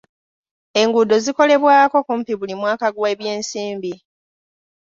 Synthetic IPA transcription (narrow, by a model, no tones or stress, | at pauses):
e̞ŋɡudo̞ziko̞le̞βwaːko̞kumpiβulimwaːkaɡweːβje̞ːnsiːmbi